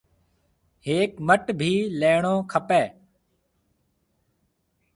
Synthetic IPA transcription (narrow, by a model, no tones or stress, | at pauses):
heːkməʈbʱiːleːɳõːkʰəpeː